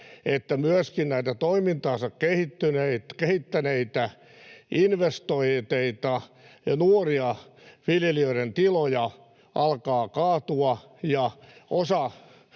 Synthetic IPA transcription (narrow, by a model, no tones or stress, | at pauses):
et̪ːæmyøskinnæit̪æt̪oimint̪ɑːsɑkkehit̪ːyneit̪kehit̪ːæneit̪æ | inʋest̪oit̪eit̪ɑjɑnuoriɑʋiljeliøiɾent̪ilojɑ | ɑlkɑːkɑːt̪uɑ | jɑʔosɑ